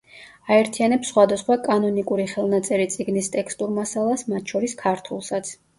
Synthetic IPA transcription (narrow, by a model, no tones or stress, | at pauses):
aɛɾt̪ʰianɛpsːχwad̪asχwakʼanɔnikʼuɾiχɛlˠnat̪sʼɛɾit̪sʼiɡnist̪ʼɛkʰst̪ʼuɾmasalˠasmat̪ʰʃɔɾiskʰaɾt̪ʰulˠsat̪sʰ